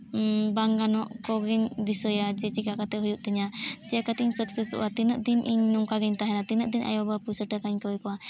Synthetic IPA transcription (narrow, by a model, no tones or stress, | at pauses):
baŋɡanɔʔkɔɡiɲd̪isəjad͡ʒɛt͡ʃikaʔkat̪ɛɦujuʔ̚t̪əɲad͡ʒɛkat̪iɲsəksɛsṵʔat̪inəʔd̪inʔiɲnuŋkaɡɛɲt̪aɦɛnat̪inəʔd̪inʔa̰jɔbapusəʈəkaɲkəjkɔa